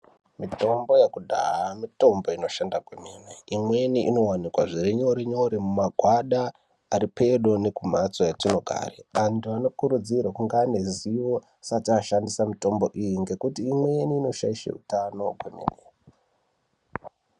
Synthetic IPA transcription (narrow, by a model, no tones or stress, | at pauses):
mito̞mbo̞jekudʱa̰amito̞mbo̞ino̞ʃandakwemeneimwe̞niʔino̞wanikwaʐiɾeɲoɾeɲo̞ɾemumaɡʱwaɗa | aɾipe̞ɗo̞ne̞kum̤at͡sojetinoɡʱa̰rḛantuano̞kuɾud͡zirwakuŋɡane̞ziʋo̞ | sataʃandisamito̞mbo̞ʔijiŋɡe̞kutiːmweniːno̞ʃa̰iʃḛṵtano̞kwemḛːne